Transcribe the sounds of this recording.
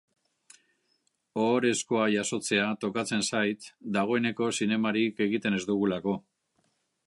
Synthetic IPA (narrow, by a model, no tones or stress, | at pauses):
o̞ːɾe̞sko̞aʝaso̞t͡se̞at̪o̞kat͡se̞nsajt̪d̪aɣ̞o̞e̞ne̞ko̞sine̞maɾike̞ɣit̪e̞ne̞zd̪uɣulako̞